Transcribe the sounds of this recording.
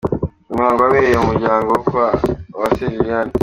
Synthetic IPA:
umaːŋɡoaβejomuɾɟaːŋɡokwawaseviijani

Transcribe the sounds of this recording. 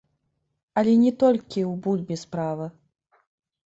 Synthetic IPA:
ɐlʲɛnʲɛt̪ɔlʲkʲiwbulʲbʲɛspɾavɨ

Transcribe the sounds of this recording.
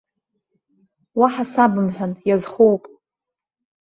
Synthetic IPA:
waħasabɨmħʷᶣanjazχowpʼ

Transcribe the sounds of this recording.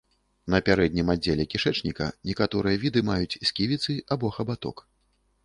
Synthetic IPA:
nɐpʲaɾɛd̪ʲnʲimad͡zʲːelʲɛkʲiʂɛt͡ʂnʲikɐ̰nʲɛkat̪ɔɾɨjɐvʲid̪ɨmajut͡sʲsʲkʲivʲit̪sɨabɔxɐbat̪ɔ̰k

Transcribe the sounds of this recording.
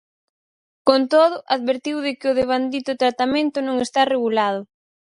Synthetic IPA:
kont̪oðʊʔaðβeɾt̪iwðɪkɪʊðeβ̞and̪it̪ʊt̪ɾat̪amẽnt̪ʊnõŋest̪areɣulað̞ʊ

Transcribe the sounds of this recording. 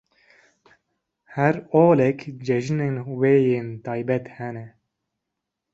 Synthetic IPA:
hæɾoːlɛkd͡ʒɛʒneːnweːjeːnt̪ɑːjbɛt̪hɛnɛ

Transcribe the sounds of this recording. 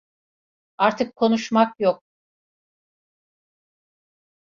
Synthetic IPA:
aɾt̪ʰɯkʰːonuʃmakjok̚

